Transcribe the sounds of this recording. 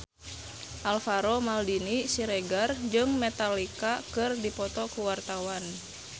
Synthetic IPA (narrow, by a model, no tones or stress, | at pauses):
ʔalfaɾɔmaldinisiɾɛɡard͡ʒɨŋmɛt̪alikakɨrdipɔt̪ɔkuwart̪awan